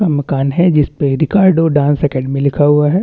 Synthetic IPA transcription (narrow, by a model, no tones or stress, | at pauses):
amɐkaːnɦɛd͡ʒɪspeɾɪkaːɾɖoɖãːnsɛkɛ̃ːɖmẽlɪkʰaɦuaɦɛ